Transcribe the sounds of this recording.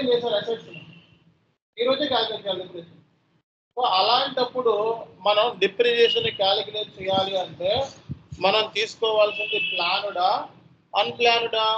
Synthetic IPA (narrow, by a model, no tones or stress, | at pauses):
nd͡ʒɛːsaːɾɐseʈsuna | iːɾoːd͡ʒukaːlikneʈt͡ʃɛjalɖipːɾies | oɐlaːɳʈɐpːuɽumɐnɐmɖipɾid͡ʒeːsɐnekaːlikineːɾt͡ʃɛjaːliɐɳʈe̞ːmɐnɐmt̪iːsu̥kɔːʋaːlsind̪iplaːnuɽaː | ɐnplaːnuɽaː